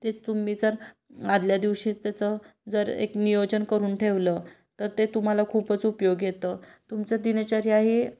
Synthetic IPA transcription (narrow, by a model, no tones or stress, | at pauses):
t̪et͡s̪umːit͡səɾ | ad̪ljad̪iʋɕiːt͡st̪jat͡səd͡zəɾḛknijod͡ʑənkəɾuːnʈʰeʋlə | t̪əɾt̪et̪um̤alakʰuːpət͡supjoɡjet̪ət̪umt͡səd̪inət͡ɕaɾjaɦi